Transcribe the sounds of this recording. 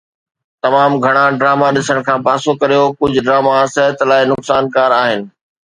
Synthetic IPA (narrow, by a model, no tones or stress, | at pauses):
t̪ɐmaːmɡʱɐɽ̃ãɖɾaːmaɗɪsəɽ̃kʰãːpaːsokɐɾijokʊd͡ʑʱɖɾaːmaaːsɪɾət̪laːɪnʊksaːnkaːɾaːɦɪnɪ̆